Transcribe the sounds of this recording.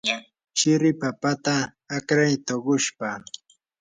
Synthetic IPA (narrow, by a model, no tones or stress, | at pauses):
t͡ʃɪɾɪpapat̪aː | kɾajt̪oɢʊʃpa